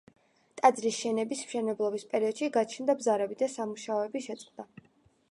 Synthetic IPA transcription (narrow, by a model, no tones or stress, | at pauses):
t̪ʼad̪zɾisʃɛnɛbismʃɛnɛblˠɔbispʼɛɾiɔd̪ʃiɡat͡ʃʰnd̪abzaɾɛbid̪asamuʃaɔɛbiʃɛt̪sʼqʼd̪a